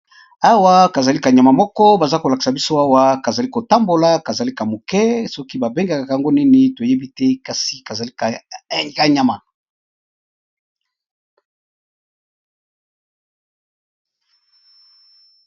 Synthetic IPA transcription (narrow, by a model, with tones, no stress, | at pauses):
a˦wa˦ka˨za˨li˦ka˨ɲa˨ma˨mɔ˦kɔ˦ba˨za˦ko˨la˨ki̥˨sa˨bi˦so˦a˦wa˦ka˨za˨li˦ko˨ta˦mbo˨la˦ka˨za˨li˦ka˨mo˨kɛ˦sɔ˦ki˦ba˨be˦ŋɡa˨ka˨ka˨a˨ŋɡo˦nɛ˦ne˦to˨je˦bi˦tɛ˦ka˦si˦ka˨za˨li˦kka˨ɲa˨ma˨